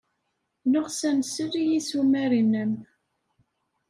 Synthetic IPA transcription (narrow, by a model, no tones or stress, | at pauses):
noʁsænsəɾijisumæɾinːəm